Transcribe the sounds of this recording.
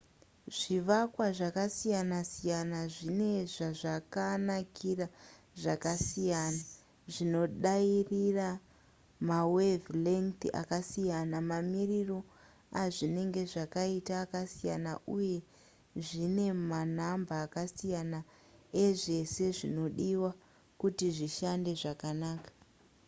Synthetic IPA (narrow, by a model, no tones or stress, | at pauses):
ʐ̥iʋakwaʐakasijanasijanaʐine̞ʐaʐakanakʰira | ʐakasijana | ʐino̞ɗairira | mawevliŋt̪iʔa̰kasijanamamiriro̞ | aʐine̞ŋɡe̞ʐakaitaːkasijana̰ʔuje̞ | ʐine̞manambaːkasijana | eʐe̞se̞ʐino̞ɗiwa | kutiʐiʃande̞ʐakanaːkḁ